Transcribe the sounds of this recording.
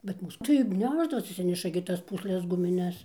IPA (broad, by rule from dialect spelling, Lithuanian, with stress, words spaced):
bʲɛt ˈmuːs tɐɪ ˈnʲæːʒdɐʋoːsʲɪ ɐtʲˈsʲɪnʲɛʃɐ ɡʲɪ ˈtɐs ˈpuːsʲlʲɛs ɡʊmʲɪˈnʲɛs